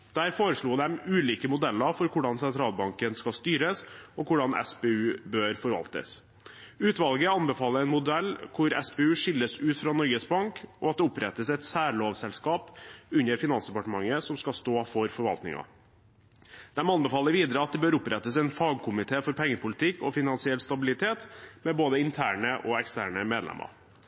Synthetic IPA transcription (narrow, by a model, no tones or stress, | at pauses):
d̪̥æːɾfoːɾəʂɭuːd̪ɛmʉːliːkəmʊd̪ɛlːɑɾfɔɾkʰʊɖɑnsɛnt̪ʰɾɑːlbɑŋkənskɑst̪yːɾəsɔkʰʊɖɑnʔɛ̰speːʉːbøːɾfɔɾʋɑ̰lt̪ə̰s | ʉːt̪ʋɑlɡəɑnbɛfɑːləɾɛɪnmʊd̪ɛlːkʰʊɾɛ̰sbeːʉːʂɪlːəsʉːt̪fɾɑːnɔɾɡəsbɑŋkɔɑt̪̚d̪ɛʊpɾɛt̪ːəsɛt̪sæːɾɭoːʋsɛlskɑːpʉɲːəɾfɪnɑnsd̪ɛpɑʈəmɑŋːəsɔmskɑst̪oːfɔɾfɔɾʋɑ̰lt̪nɪ̰ŋɑ̰ | d̪̥ɛmɑnbɛfɑːləɾʋiːd̪əɾəɑt̪̚d̪ɛbøːɾʊpɾɛt̪ːəsɛɪnfɑːɡ̚kʰʊmɪt̪ʰeːfɔɾpʰɛŋːəpʰʊlɪt̪ʰɪkːɔfɪnɑnsɪɛlːst̪ɑbɪlɪt̪ʰeːt̪mɛboːd̪əɪnt̪ʰæːɳəʔɔɛkst̪æːɳəmeːd̪lɛ̰mʔə̰ɾ